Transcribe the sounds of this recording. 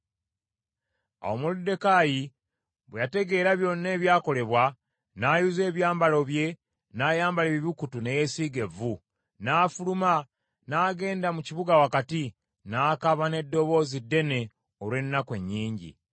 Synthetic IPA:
a̰wo̞muludːe̞kaji | βwejate̞ɡe̞ːɾaβjo̞nːe̞ːβjaːko̞le̞βwa | naːjuze̞ːβjaːmbalo̞βje̞ | naːjaːmbaleβiβukutune̞je̞siːɡe̞vu | naːfuluma | naːɡe̞ːndamuciβuɡawakati | naːkaβane̞dːo̞βo̞ːzidːe̞ne̞ | oɾwe̞nːakwe̞ɲːiːɲɟḭ

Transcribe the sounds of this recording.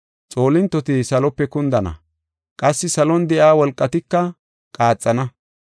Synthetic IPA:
t͡sʼo̞ːlɪnt̪ːɔt̪ɪsɐlɔpːɛkʊnd̪ɐnɐ̰ | kʼɐsːɪsɐlɔnd̪ɛʔaːwɔlkʼːɐt̪ɪkːɐ | kʼaːt͡sʼːɐnɐ

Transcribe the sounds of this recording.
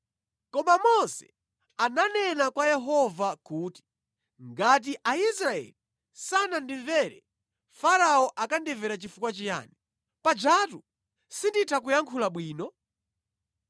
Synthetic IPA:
kɔmamɔsɛ̰ | ananɛnakwajɛɦɔvakuːti̥ | ŋɡat̬iʔaisɾaɛ̰li | sanandiɱvɛɾɛ̰ | faɾaɔʔakandɛvɛɾat͡ʃifukwat͡ʃija̰ːni | pad͡ʒatu | sinditʰakujaŋkʰulaɓwiːnɔ

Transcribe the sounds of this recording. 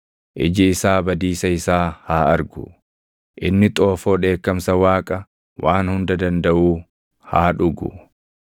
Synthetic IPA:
ʔɪd͡ʒɪːsaːbɐd̪iːsɐɪsaːhaːɐɾɡʊ̰ | ʔɪ̰nːɪt̪ʼo̞ːfo̞ːᶑe̞ːkːɐmsɐwaːkʼɐ | wʔaːnhʊnd̪ɐd̪ɐnd̪ɐʔuː | haːᶑʊɡʊ̰

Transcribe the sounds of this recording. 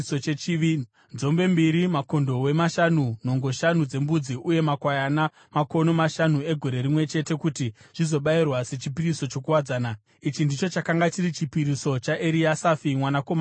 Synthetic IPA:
sot͡ʃet͡ʃiʋi | nzo̞mbe̞mbiɾimako̞ndo̞we̞maʃanuno̞ŋɡo̞ʃanud͡ze̞mbud͡ziʔuje̞makwajana | mako̞no̞maʃanue̞ɡʱo̞ɾe̞ɾimwe̞t͡ʃe̞te̞kutiʐ̥izo̞ɓairwase̞t͡ʃipiriso̞t͡ʃo̞kuwad͡zaːna | it͡ʃindit͡ʃo̞t͡ʃakaŋɡat͡ʃiɾit͡ʃipiɾiso̞t͡ʃaʔeɾiasafimwanako̞ma

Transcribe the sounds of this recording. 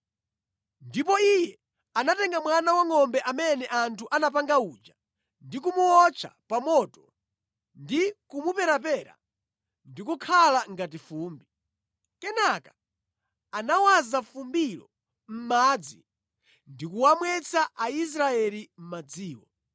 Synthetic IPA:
ndipɔijɛ | anatɛŋɡamwanawaŋɔmbɛʔamɛnɛʔantʰuʔanap̬aŋɡauːd͡ʒa | ndikumuɔt͡ʃʰa̰pamɔtɔ | ndikumupɛɾap̬ɛɾa̰ | ndikukʰalaŋɡatifuːmbi | kɛnakḁ | anawazafumbilɔ̰ | m̩mad͡zi | ndikuwamwɛt͡sʰaʔais̬ɾaɛlim̩mad͡ziːwɔ̰

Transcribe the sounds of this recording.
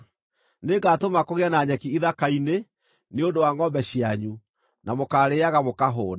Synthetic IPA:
neɡatomakoɣeanaɲɛkiiðakaine | neondowaŋɔmbɛɕiaɲu | namokaːɾeaɣamokaɦoː

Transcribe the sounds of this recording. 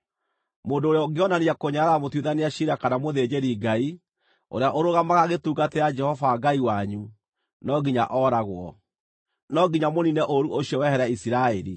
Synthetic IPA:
moːndoːɾeɔɡeɔnaniakoɲaɾamotwiðaneaɕiɾakanamoðed͡ʑeɾiɡai | o̰ɾeaʔoɾoɣamaɣaɣetuːɡatɛad͡ʒɛhɔvaɡaiwaɲu | nɔɡiɲaʔɔːɾaɣwɔ | nɔɡiɲamoninɛʔoɾuʔoɕiɔwɛhɛɾaisiɾaeɾḭ

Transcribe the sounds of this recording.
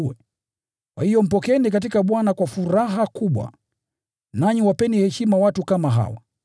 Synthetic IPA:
ɛ | kwa̰hijɔm̩pɔkɛnikat̬ikaɓwanakwafuɾaɦakuɓwa̰ | naɲiwapɛnihɛʃimawatukamaɦa̰wa̰

